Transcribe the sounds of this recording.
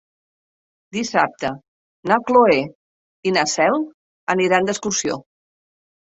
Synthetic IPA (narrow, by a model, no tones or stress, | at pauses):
d̪isap̚t̪ə | nakloe | inasɛl | əniɾand̪əskuɾsio̰